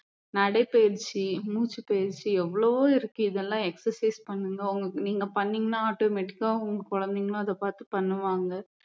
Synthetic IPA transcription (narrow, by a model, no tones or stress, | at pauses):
nɐɽɐɪpeːɾt͡ʃːimuːt͡ʃːɯpeːɾt͡ʃːiɛʋːɐɭoʋoːɪɾɯkːɯ̃ɪðɐlːãːɛksɐɾsɐɪspɐɳːɯŋɡɐʊŋɡɐniːŋɡɐpɐɳːɪŋɡɐnãaːʈoːmeʈɪkːaːʊŋɡɐkɔɻɐnd̪ɪŋɡɐɭõɐðɐpaːɾt̪ɯpɐɳːɯʋaːŋɡɐ